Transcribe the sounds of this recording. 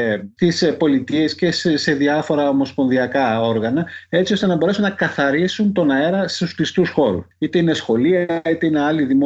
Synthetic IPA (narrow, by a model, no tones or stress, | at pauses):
t̪ispo̞lit̪ie̞sce̞sse̞ðiɐfo̞ɾɐomo̞spo̞nðiɐkɐo̞ɾɣɐnɐe̞t͡sio̞st̪e̞nɐbo̞ɾe̞sunːɐkɐθɐɾisunt̪o̞nɐe̞ɾɐst̪uskist̪usxo̞ɾṵit̪e̞ine̞sxo̞liɐɐit̪e̞ine̞ɐliðimo